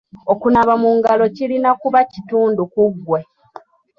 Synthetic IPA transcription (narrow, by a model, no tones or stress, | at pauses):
okunaβamuŋɡalo̞cilinakuβacituːndukuɡːwe̞